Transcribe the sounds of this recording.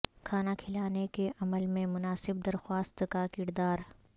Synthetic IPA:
kʰaːnakʰɪlaːnekeʔɐməlmẽmʊnaːsɪb̚d̪ɐɾxwaːst̪kakɪɾd̪aːɾ

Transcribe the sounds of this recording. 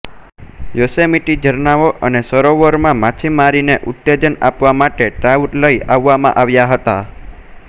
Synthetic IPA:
josemiʈid͡ʒəɾnaʋoʔənesəɾoʋəɾmãmat͡ʃʰimaɾineʔut̪ːed͡ʒənapʋamaʈeʈɾauʈləiaʋːamã̰ʔaʋjaɦət̪a

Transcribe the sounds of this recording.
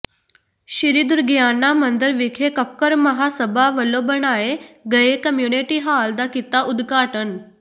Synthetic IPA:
ɕiɾid̪uɾɡjanːamənd̪əɾʋikʰekəkːəɾməɦasəbʱaʋəlobəɳaeɡəekəmjuneʈiɦaːld̪akit̪aʔud̪ɡʱaʈən

